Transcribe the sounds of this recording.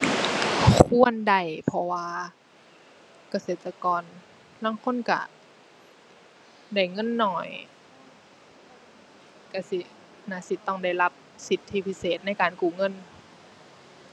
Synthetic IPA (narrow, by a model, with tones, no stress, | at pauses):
kʰu˧˥ənda˧˩jpʰɔ˧waː˧ | ka˧seː˨˩t̪̚ːa˧kɔː˨n | laː˧˥˨ŋkʰo˧˥˨nka̰˧˩ | da˧˩jŋɤ˧˥˨nːɔː˧˩j | ka˧˩si˧˦ | naː˧˩si˧˦t̪ːɔ˧˩ŋda˧˩jla˧˦˥p̚si˧˦t̪ʰːiː˧˩pʰi˧˥seː˨˩t̪̚na˧˥˨jkaː˨nkuː˨˩ŋɤ˧˥˨n